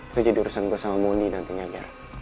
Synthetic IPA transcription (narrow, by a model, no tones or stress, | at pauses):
t̪ud͡ʒadiuɾusanbəsamamonidant̪əɲad͡ʒa̰r